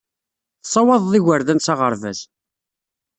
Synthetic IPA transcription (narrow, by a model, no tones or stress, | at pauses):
θsˤːɑwɑðˤðiʝəɾðænsɑʁəɾvæ̰z